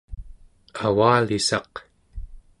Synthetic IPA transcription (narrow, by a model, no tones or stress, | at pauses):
awaːlisɑq